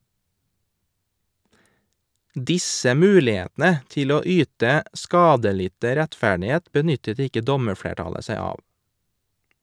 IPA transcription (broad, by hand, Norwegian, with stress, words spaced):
ˈdɪsə ˈmʉːlɪˌeːtnə ˈtɪl ˈoː ˈyːtə ˈskɑːdəˌlɪtə ɾɛtˈfæɖɪˌheːt bəˈnʏtət ˈɪkə ˈdɔməˌfɽeːˌʈɑlə ˈsæɪ ˈɑː